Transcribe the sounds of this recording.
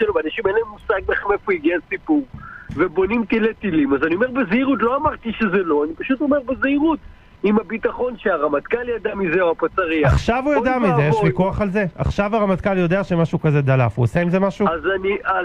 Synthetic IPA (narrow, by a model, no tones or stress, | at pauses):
elobanaʃimelemusaɡ̚maχemefoiɡiasipuʁve̞bo̞nimt̪ilet̪ilimazanio̞me̞ʁbezeiʁut̬lo̞amaʁt̪iʃezelo̞anipaʃut̪o̞me̞ʁbeziʁut̪ | imabit̪aχo̞nʃeaʁamat̪kaljad̪amizeuapat͡saʁiaχʃavujadamiejʃʁikuaχalze̞ʔa̰χʃavaʁamat̪kaljo̞d̪eaʃemaʃuukazed̪alafuoseimzemaʃuzania